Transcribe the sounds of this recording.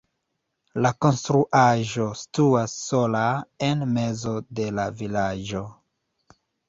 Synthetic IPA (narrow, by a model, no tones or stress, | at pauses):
lako̞nstɾuʔaʒo̞stuasːo̞lae̞nme̞zo̞de̞lavilaʒo̞